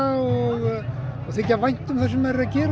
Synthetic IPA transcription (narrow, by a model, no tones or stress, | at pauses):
ɔɣɔθecːavajn̥t̪ʏmθasɛmːɛɾɾaðcɛːɾ